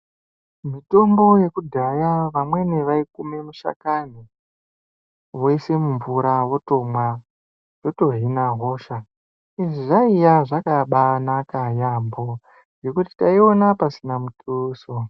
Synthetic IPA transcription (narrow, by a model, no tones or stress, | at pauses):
mito̞mbo̞je̞kudʱajaʋamwe̞neʋaikumemuʃa̰kani | woise̞muɱvuɾawo̞to̞mwa | jo̞to̞ɦinaɦo̞ːʃa | iʐiʐaijaʐakaɓanakajambo̞ | je̞kuti̥taio̞napasinamutʰʼuːso